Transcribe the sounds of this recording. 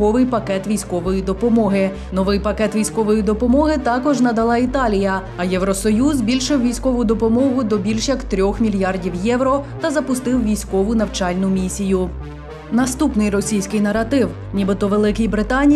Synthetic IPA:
ɔʋɪjpɐkɛt̪ʋʲijsʲkɔʋɔjid̪ɔpɔmɔɦɪ | nɔʋɪjpɐkɛt̪ʋʲijsʲkɔʋɔjid̪ɔpɔmɔɦɪt̪ɑkɔʒnɐd̪ɐlˠɑit̪ɑlʲijɐ | ɐjɛwɾɔsɔjuzbʲilʲʃɪwʋʲijsʲkɔʋʊd̪ɔpɔmɔɦʊd̪ɔbʲilʲʃjɐkt̪ɾʲɔxmʲilʲjɑrdʲiwjɛʋɾɔt̪ɐzɐpʊst̪ɪwʋʲijsʲkɔʋʊnɐwt͡ʃɑlʲnʊmʲisʲijʊ | nɐst̪upnɪjrɔsʲijsʲkɪjnɐɾɐt̪ɪw | nʲibɪt̪ɔʋelˠɪkɪjbɾɪt̪ɑnʲ

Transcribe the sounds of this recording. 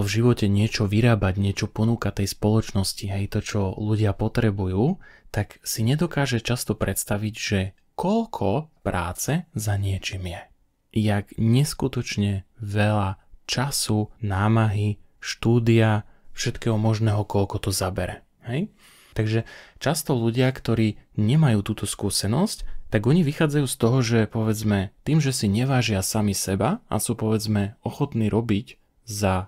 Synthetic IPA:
vʒiʋɔcɛɲɪɛt͡ʃɔʋiɾaːbaɟɲɪɛt͡ʃɔpɔnuːkat̪ɛjspɔlɔt͡ʃnɔsciɦɛjt̪ɔt͡ʃɔluɟɪapɔt̪ɾɛbujuːt̪aksiɲɛd̪ɔkaːʒɛt͡ʃast̪ɔpɾʔɛt̪st̪aʋiɟʒɛ | kɔʎkʰɔpɾa̰ːt͡sɛzaɲɪɛt͡ʃimjɛ | jaɡɲɛskut̪ɔt͡ʃɲɛʋɛʎat͡ʃasunaːmaɦi | ʃt̪uːd̪iafʃɛt̪kɛːɦɔmɔʒnɛːɦɔkɔlkɔt̪ɔzabɛɾɛ | hɛj | t̪aɡʒɛt͡ʃast̪ɔluɟɪakt̪ɔɾiːɲɛmajuːt̪uːt̪ɔskusɛnɔsct̪aɡɔɲiʋixaːd͡zajuːst̪ɔɦɔʒɛpɔʋɛd͡zmɛt̪iːmʒɛsiɲɛʋaːʒɪasamisɛbaʔa̰suːpɔʋɛd͡zmɛɔxɔt̪niːɾʔɔbic | za

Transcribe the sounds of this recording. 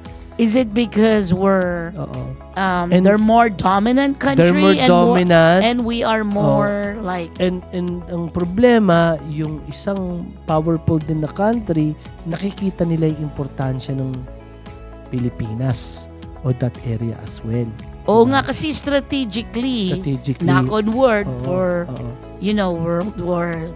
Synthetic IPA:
ʔɪzɪt̪̚bɪkɔzwɪɹʔo̰ːʔo̰ | ʔɐmɛ̃nd̪ɛɹmoɹd̪ɔmɪnɐ̃nt̪̚kɐ̃nd̪ɛɹɹmioɹ̃d̪omɪnɐnɛ̃nwiaɹmoɹlajkɛnd̪ɛnd̪ɐŋpɾoblɛmɐjʊŋʔɪsaŋpawɛɹpold̪ɪnnɐkant̪ɾi | nɐkɪkiːt̪ɐnɪlaɐŋɪmpoɾt̪anʃɐnɐŋ | pɪlɪpiːnɐs | ʔo̞d̪ɐt̪ʔɛɾɪɐ̰ʔɐ̰swɛl | ʔoŋakɐsɛst̪ɾɐt̪id͡ʒɪkliɐt̪id͡ʒɪknlikonwɛldofɔɹoːʔʔo | jʊnowwɛɹld̪wɔɹ

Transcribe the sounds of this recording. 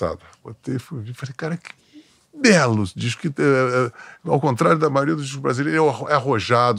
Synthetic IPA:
a̰d̪ɐbo̰t̪efovifasekaɾɐkɪ̥ | bɛlʊd͡ʒiʃkɪɛɛawkõnt̪ɾaɾjʊd̪ɐmajoɾiɐd̪ʊd͡ʒiʃkubɾazilejɾʊɛwaɛahoʒad̪

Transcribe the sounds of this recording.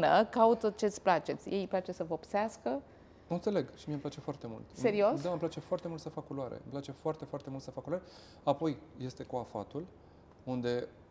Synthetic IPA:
nəkaut̪ət͡ʃe̞t̪sʲplat͡ʃe̞t̪sʲjejplat͡ʃe̞səvəopseaskə | ɨnt̪se̞le̞ɡʃimiemplat͡ʃefoart̪e̞mṵlt̪se̞ɾio̞sd̪aəmplat͡ʃe̞foart̪emult̪səfakulwaɾḛmplat͡ʃe̞foart̪e̞foart̪emult̪səfakulaɾe | apo̞jje̞st̪e̞kuafa̰t̪ul | und̪e̞

